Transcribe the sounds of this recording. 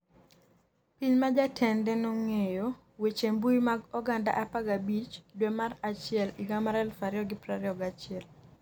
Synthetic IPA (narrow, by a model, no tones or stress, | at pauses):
piɲmad͡ʒatʰɛndɛnɔŋejo | wet͡ʃembuimaɡɔɡanda̰ʔapaɡabit͡ʃdwemarat͡ʃɪɛliɡamaɾɛlfaɾjɔɡɪpɾaɾɪɔɡat͡ʃɪɛl